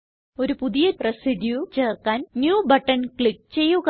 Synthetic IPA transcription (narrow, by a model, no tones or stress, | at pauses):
o̞ɾupuðijɐrɐsiɖjut͡ɕe̞ːrkaːnnjuːbɐʈːɐnkɭik̚t͡ɕe̞jːuɣ